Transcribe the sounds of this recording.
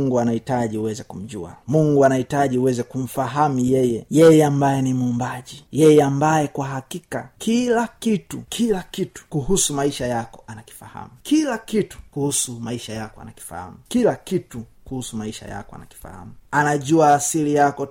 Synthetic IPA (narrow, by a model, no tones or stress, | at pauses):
ŋɡuanahitaʄiuwɛzɛkum̩ʄua̰muŋɡuanahitaʄiuwɛzɛkum̩faɦamujɛjɛjɛjɛambajɛnimuːmbaʄijɛjɛambajɛkwaɦakika̰kʰilakitṵkʰilakitu̥kuɦusumaiʃajakɔanaki̥faha̰mukilakitu̥kuhusumaiʃajakɔa̰naki̥fa̰ha̰mukilakitukuhusumaiʃa̰ja̰kɔa̰na̰ki̥fa̰ha̰muanaʄuaːsilijakɔ